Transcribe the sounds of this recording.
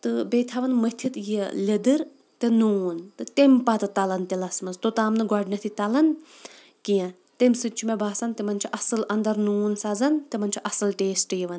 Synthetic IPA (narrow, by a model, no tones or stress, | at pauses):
t̪ɨbet̪ʰɐʋɐnmət̪ʰit̪jeled̪ɨɾ | t̪enuːnt̪ɨt̪empat̪ɨt̪ɐlɐnt̪elɐsmɐzt̪ot̪aːmnɨɡɔɖnʲɐt̪ʰit̪ɐlɐn | kijɐ̃ | t̪emsɨt̪̚t͡ʃʰumebaːsɐnt̪emɐnt͡ʃʰiʔɐsɨlɐnd̪ɐɾnuːnsɐzɐnt̪emɐnʲt͡ʃʰiʔɐsɨlʈeːsʈɨjiʋɐn